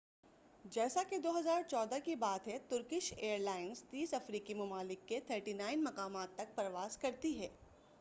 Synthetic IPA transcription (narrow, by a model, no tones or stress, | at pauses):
d͡ʒɛːsaked̪oːɦɐzaːɾt͡ʃɔːd̪əkibaːt̪ɦɛ̃t̪ʊɾkɪʃeːəɾlaːɪnzt̪iːsɐfɾiːkimɐmaːlɪkːet̪ʰəɾʈinãːɪnmɐqaːmaːt̪ːɐk̚pɐɾʋaːskɐɾt̪iɦɛː